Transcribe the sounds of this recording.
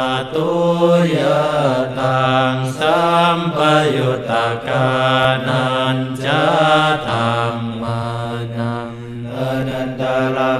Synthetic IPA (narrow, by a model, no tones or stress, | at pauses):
at̪ujat̪aŋsampajut̪akanant͡ʃat̪amːa | na | nad̪ala